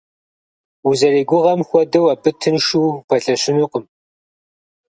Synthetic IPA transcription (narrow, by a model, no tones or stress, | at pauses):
uzɐreːɡʷʊʁɐmxʷɔdɨwɐpʰʼɨtʰɨnʂuːpʰɐɬʼɐɕɪnuqəm